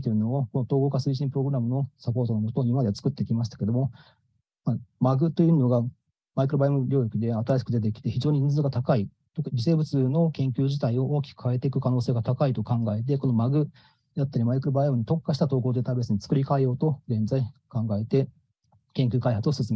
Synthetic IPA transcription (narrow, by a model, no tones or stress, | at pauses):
t̪eɾɯ̟noːko̞not̪oːɡo̞ːkasɨiɕ̬ĩmpɯɾo̞ɡɯ̟ɾamɯ̟no̞sapo̞ːt̪o̞nomot̪oimmad̪e̞at͡sɨ̥kɯ̟t̪ːe̞kʲimaɕi̥t̪ḁke̞d̪o̞mo̞ | mamaɡɯ̟t̪o̞jɯno̞ɡa | maikɯɾɯbaimoɾʲo̞ːjoki̟d̪e̞at̪aɾaɕi̥kɯ̟d̪e̞t̪̬e̞kʲi̥t̪e̞çiʑo̞ːɲiĩnzɨɡat̪akai | t̪okad͡ʑise̞ːbɯ̟t͡sɨno̞kẽ̞ŋkʲɨːʑit̪aio̞ʔoːkʲi̥kɯ̥kaet̪e̞ikɯ̟kano̞ːseːɡat̪akait̪o̞kãŋɡae̞t̪̬e̞ko̞no̞maɡɯ̟ | jat̪ːaɾʲimaikɯɾɯbaioɲ̟it̪o̞kːaɕi̥t̪at̪o̞ːɡoːd̪et̪abe̞sɨɲ̟it͡sɨ̥kɯ̟ɾʲikaejo̞ːt̪o̞ɡẽ̞nzaikãŋɡae̞t̪e̞ | kẽ̞ŋkʲɨːkaihat͡sɨo̞sɨsɨme